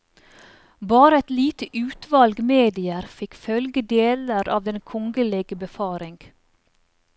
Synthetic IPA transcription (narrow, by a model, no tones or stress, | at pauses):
bɑːɾəɛt̪liːt̪əʔʉːt̪ʋɑlɡmeːd̪ɪəɾfɪkfœlɡəd̪eːləɾɑ̰ːʋd̪ɛnkʰɔŋɡəleːɡəbəfɑːɾɪŋɡ̥